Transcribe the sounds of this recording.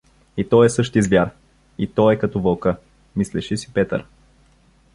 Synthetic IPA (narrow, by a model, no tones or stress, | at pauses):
it̪ɔɛsɤʃt̪izvʲjaɾ | it̪ɔɛkɐt̪ɔvəlˠkə | mislɛʃisi̥pɛt̪ə̰ɾ